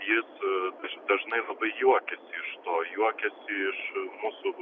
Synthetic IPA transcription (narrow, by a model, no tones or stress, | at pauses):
jɪsɐʃd̪ɐʒnɐɪlˠɐbɐɪjuɔkʲɛsʲɪɪʃt̪oːjuɔkʲɛsʲɪɪʃmʊsʊ